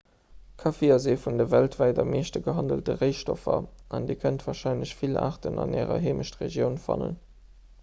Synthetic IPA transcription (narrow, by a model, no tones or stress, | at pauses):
kʰɑfiːɐzeːfundɐvæltvæɪtɐmeːʃtəɡəɦɑndəltəʁəɪʃtofɐʔɑndeːkʰəntv̥aːʁʃɑɪnləɕfila̰ːʁtənɑ̰nɛːʁɐ̰ɦeːməʃtʁḛʒjəʊnfɑ̰nə̰n